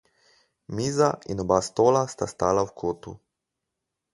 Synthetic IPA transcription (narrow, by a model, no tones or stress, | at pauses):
miːzaḭnɔbast̪oːlast̪ast̪aːlawkʰoːt̪ṵ